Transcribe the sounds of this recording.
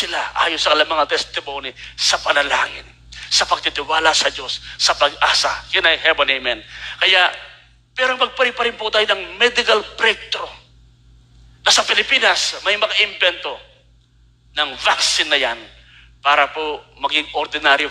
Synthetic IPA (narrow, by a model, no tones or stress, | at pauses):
sɪlaʔa̰ːjosɐkɐlɐmːɐŋat̪ɛst̪ɪmo̞ːnisɐpɐnɐla̰ːŋɪn | sɐpɐɡ̚t̪ɪt̪ɪwaːlɐsɐd͡ʒo̞sːɐpɐɡ̚ʔaːsɐkɛnɐjhɛbonimɛnkɐjaʔ | pɛːɾoŋmɐɡ̚pɐɾɪŋpɐɾɪnpʊt̪aːjonɐŋmɛd̪ɪkɐlpɾɛk̚t̪ɾo | nɐsɐpɪlɪpiːnɐsmɐjmɐkɐʔɪmbɛnt̪o̞ | nɐŋvaksɪnːɐjan | paːɾɐpomɐɡɪŋʔoɾd̪ɪnaɾjo